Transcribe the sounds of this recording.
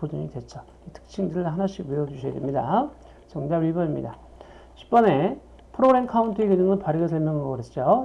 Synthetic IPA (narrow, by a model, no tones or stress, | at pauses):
podɯɲidwe̞t͡ɕ͈ʌ | itʰɯ̥k̚t͡ɕʰiŋdɯɾɯɭɦanaɕʰiɡwiʌd͡ʑuɕʰʌj̰demɲida̰ | t͡ɕʌŋdaibʌimɲḭda | ɕʰi̥p̚p͈ʌne̞ | pʰɯɾoɡɾe̞mkʰauntʰɯeɡod͡ʑɯŋɯnpaɾɯɡesʰaɭmʌŋɡʌɡɯɾɦet͡ɕ͈o